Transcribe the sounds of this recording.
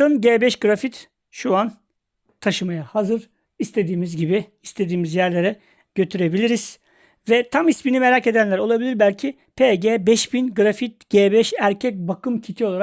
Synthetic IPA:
ɯnɟeːbɛʃɡɯɾafit̪ | ʃuan | t̪ʰaʃɯmajahazɯɾ | ist̪ʰe̞d̪iːmizɟibiːst̪ʰe̞d̪iːmizjæɾlʲe̞ɾɛ | ɟ̥ø̞t̪ʰyɾe̞bilʲiɾiz̥ | vɛt̪ʰamisminime̞ɾace̞d̪ænlʲæɾo̞lˠabilʲiɾbælʲcʰi | pʰeɟeːbɛʃbinɡɯɾafit̪̚ɟ̥eːbɛʃæɾcʰɛc̚bakʰɯmcʰit̪ʰio̞lˠaɾa

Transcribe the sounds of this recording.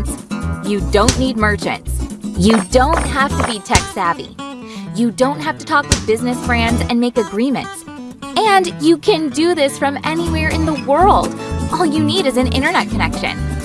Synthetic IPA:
jɨdõʊ̃nːid̚mɜ˞t͡ʃɨ̰̃ntsjɨdõʊ̃nt̚hæftɨbitʰɛksævḭjɨdõʊ̃nt̚ɦæftɨtʰɔkwɨðbɪznɨsfɹɛ̃ndzɨ̃nmeɪkɨɡɹĩmɨ̰̃nts | ɨ̃njɨkʰɨ̃ndɨðɪsfɹʌ̃mɛniwɛɹɨ̃nðəwɜ˞lˠdʔɔlˠjɨniɾɨzɨ̃nʔɪ̰̃ɾ̃ə˞nɛt̚kʰɨnɛkʃɨ̰̃n

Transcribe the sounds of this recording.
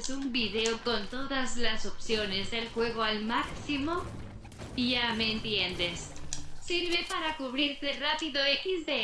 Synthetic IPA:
sumbiðe̞oko̞nt̪o̞ðazlaso̞psjo̞ne̞zðe̞lxwe̞ɣ̞o̞almaksimo̞ | iʝame̞ːnt̪je̞nd̪e̞ssiɾβe̞paɾakuβɾiɾt̪e̞rapiðo̞ekizðe

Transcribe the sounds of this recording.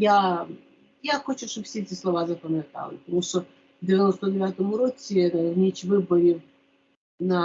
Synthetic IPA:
ja | jaxot͡ɕʊʂt̪obfsʲeɛtʲɪslˠɐvazəpəmʲɪt̪a̰lˠpət̪ɐmuʂt̪o | vdʲɪvʲɪnost̪ədʲɪvʲat̪əmʊɾot̪ʲɪnəvnʲet͡ɕvɨbəɾʲɪ | na

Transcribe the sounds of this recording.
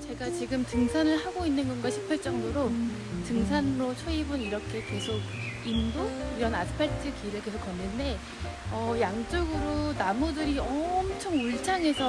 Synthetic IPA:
t͡ɕe̞ɡat͡ɕiɡɯmtɯŋsʰanɯɭɦaɡoinːɯnɡʌnɡwaɕʰi̥pʰeɭt͡ɕ͈ʌŋdoɾo | tɯŋs̬ʰanɾot͡ɕʰʌibuniɾʌkʰe̞ke̞sʰoɡ̚indoiɾʌnasʰɯ̥pʰetʰɯkiɾɯɭke̞sʰok͈ːʌnːɯnde̞ | ʌjaŋt͡ɕ͈oɡɯɾonamudɯɾiʌmt͡ɕʰʌŋuɭt͡ɕʰaŋe̞sʰʌ

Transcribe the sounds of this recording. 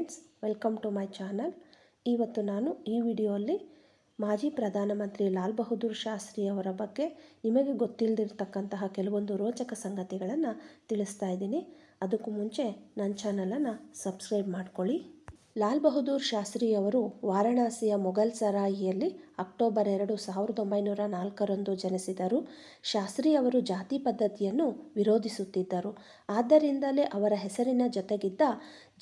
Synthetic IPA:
nsʋelkɐmʈumɐjt͡ʃaːnɐl | iːʋɐt̪ːunaːnuiːʋiːɽijoːɐlːi | maːd͡ʒiːpɾɐd̪ʱaːnɐmɐnt̪ɾilaːlbɐɦud̪uːɾʃaːst̪ɾiːjɐʋɐɾɐbɐɡːe̞nimɐɡe̞ɡo̞t̪ːild̪iɾt̪ɐkːɐnt̪ɐɦɐkɛlɐʋo̞nd̪uɾɔːt͡ʃɐkɐsɐŋɡɐt̪iɡɐɭɐnːɐt̪iɭist̪aːjid̪iːni | ɐd̪ɐkːumuɲt͡ʃe̞nɐnt͡ʃaːnɐlɐnːɐsɐbskɾɐjbmaːɖko̞ɭi | laːlbɐɦud̪uːɾʃaːst̪ɾiːjɐʋɐɾuʋaːɾɐɳaːsijɐmɔɡɐlsɐɾaːjijɐlːiɐk̚ʈoːbɐɾɛɾɐɽusaːʋiɾɐd̪o̞mbɐjnuːɾɐnaːlkɐɾond̪ud͡ʒɐnɐsid̪ɐɾu | ʃaːst̪ɾiːjɐʋɐɾud͡ʒaːt̪iːpɐd̪ːɐt̪ijɐnːuʋiɾo̞ːd̪ʱisut̪ːid̪ːɐɾu | aːd̪ːɐɾind̪ɐleʔɐʋɐɾɐɦɛsɐɾinɐd͡ʒɔt̪eɡid̪ːɐ

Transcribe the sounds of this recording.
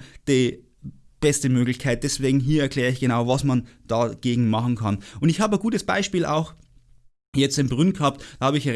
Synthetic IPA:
d̥i | b̥ɛstəmøːɡlɪçkʰaɪt̚d̥ɛsv̥eːɡŋ̩ɦiːɐɛɐkʰl̥ɛːʁəɪçɡ̥ənaʊvasmand̥aɡ̥eːɡŋ̩mɑχn̩kʰanʊndɪçhaːbəɡuːtəsb̥a̰ɪʃpiːla̰ʊx | jɛt͡stɪmbʁʏnɡ̥hɑp̚td̥aːhaːbəɪçə

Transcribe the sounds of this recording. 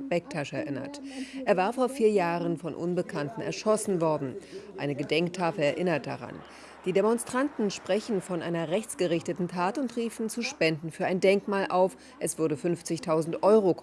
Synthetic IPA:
b̥ɛk̚tʰaʃɛɐʔɪnɐ̰tʔeːɐvaːɐfoːɐfiːɐjaːʁənfɔnʔʊnbəkʰantn̩ɛ̰ɐʃɔsn̩vɔɐdn̩ʔaɪnəɡədɛŋktʰaːfl̩ɛɐʔɪnɐt̚d̥a̰ʁa̰n | d̥iːdemɔnstʁ̥antn̩ʃpʁ̥ɛçn̩fɔnʔaɪnɐʁɛçt͡sɡ̥əʁɪçtətn̩tʰaːtʊntʁiːfn̩t͡suːʃpɛndn̩fyːɐʔaɪndɛŋkmaːlʔaʊf | ʔɛsv̥ʏɐɾəfʏnft͡sɪçtʰaʊzn̩tʔɔʏʁo

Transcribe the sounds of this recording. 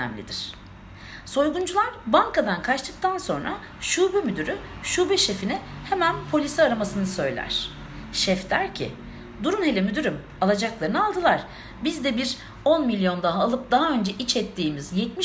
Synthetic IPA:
ɛ̰mlʲḭd̪iɾ̥ | so̞jɡund͡ʒulˠaɾbaŋkad̪ankʰat͡ʃt̪ʰɯk̚t̪ʰanso̞nɾa̰ | ʃuːbɛmyd̪yɾyʃuːbɛʃefinɪhemænpʰo̞lʲisɛaɾamasɯnɯsø̞jlʲæ̰ɾ̝̥ | ʃɛfd̪æɾcʰḭ | d̪uɾunhe̞lʲɛmyd̪yɾym | alˠad͡ʒaklˠaɾɯnalˠd̪ɯlˠaɾ̥ | bizd̪ɛbiɾ | o̞nmilʲjo̞nd̪aɦaːlˠɯp̚d̪aɦaø̞nd͡ʒɛʔit͡ʃʰɛt̪ʰːiːmizjɛt̪̚miʃ

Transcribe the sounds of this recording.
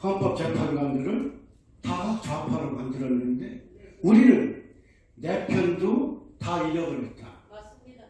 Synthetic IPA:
kʌmpʰʌp̚t͡ɕ͈epʰanɡandɯɾɯn | tat͡ɕapʰaɾomandɯɾʌnːɯnde̞uɾinɯnː | e̞pʰjʌndotaiɾʌɡɯɭɦet̚t͈a

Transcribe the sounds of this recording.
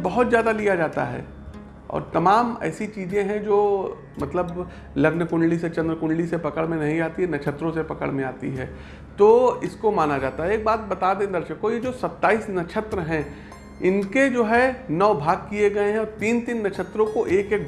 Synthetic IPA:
bɐɦʊt̪zjaːd̪alijad͡ʒaːt̪a̰ɦɛ̰ː | ɔ̰ːɾt̪ɐmaːmɛ̰ːsit͡ʃiːzẽɦɛ̃d͡ʒoː | mɐt̪ləb | lɐɡnəkʊ̃ɳɖliset͡ʃɐ̃nd̪ɾəkʊ̃ɳɖlisepɐkəɽmẽnɐɦĩaːt̪iɦɛnɐt͡ʃʰət̪ɾõsepɐkə̰ɽmẽaːt̪ḭɦɛː | t̪oːɪskomaːnad͡ʒaːt̪aɦɛeːk̚baːt̪̚bɐt̪ad̪ẽːd̪ɐɾʃəkːojed͡ʒoːsɐt̪ːaːiːsnɐʃʰət̪ɾəɦɛ̃ | ɪnked͡ʒoːɦɛnɔːbʱaːɡ̚kieɡɐeɦɛ̃ɔːɾt̪iːnt̪iːnːɐʃʰət̪ɾõkoʔeːkeːk̚

